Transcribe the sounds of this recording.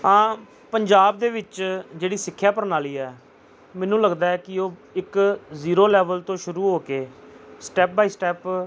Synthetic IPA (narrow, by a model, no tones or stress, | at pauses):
ãː | pəɲd͡ʒaːbd̪eːʋɪt͡ʃd͡ʒeːɽiːsɪkʰːjaːpəɾnaːliːɛː | mɛ̃ːnũːləɡd̪aːɛːkɪoːɪkziːɾoːlɛːʋəlt̪õːʃʊɾuːɦoːkeːsʈɛːp̚baːiːsʈɛːp